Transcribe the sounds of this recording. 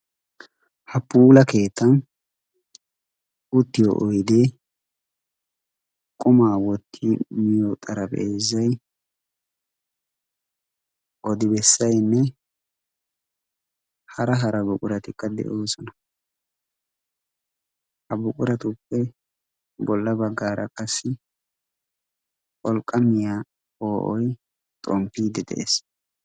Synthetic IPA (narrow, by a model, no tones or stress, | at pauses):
hɐpːuːlɐke̞ːt̪ːɐn | ʊt̪ːɪjɔ̰ʔɔjd̪e | kʼʊmaːwɔt̪ʰːɪmɪjot̪ʼɐɾɐbḛzɐj | ʔɔd̪ɪbɛsːɐjnːɛ | hɐɾɐɦɐɾɐbʊkʼʊɾɐt̪ɪkːɐd̪ɛ̰ʔoːsɔnɐ | hɐbʊkʼʊɾɐt̪ʊpːɛ | bɔlːɐbɐɡːaːɾʔɐ̰kʼɐsːɪ | kʼɔlkʼːɐmɪjaː | oːʔɔj | t̪ʼɔmpːiːd̪ɛd̪ɛ̰ʔḛs